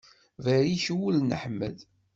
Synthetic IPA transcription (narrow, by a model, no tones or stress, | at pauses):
væɾiʃwulnəħmə̰ð